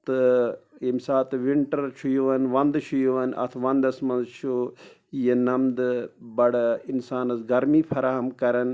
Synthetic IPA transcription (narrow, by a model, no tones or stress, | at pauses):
t̪ɨimsaːt̪ʋiɳʈɐɾt͡ʃʰujoʋɐnʋɐnd̪t͡ʃʰujoʋɐnɐ̰t̪ʰʋɐnd̪ɐsmɐnzt͡ʃʰu | jenɐmd̪bɐɽinsaːnɐsɡɐɾmiːfʰɐɾaːɦɐmkɐɾɐn